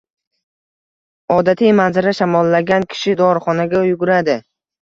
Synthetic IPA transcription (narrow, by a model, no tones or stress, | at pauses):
ɒd̪at̪ʰijmanzɪɾaʃamɒlːaɡʲankʲʰɪ̥ʃɪd̪ɒɾχɒnaɡʲajʊɡʊɾad̪ɪ